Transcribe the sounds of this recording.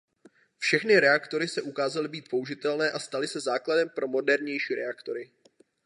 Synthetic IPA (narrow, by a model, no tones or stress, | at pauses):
fʃɛxnɪɾɛakt̪o̞ɾɪsɛʔukaːzalɪbiːt̪̚po̞uʒɪt̪ɛlnɛːʔast̪alɪsɛzaːkladɛmpɾo̞mo̞dɛɾɲɛjʃiːɾɛakt̪o̞ɾɪ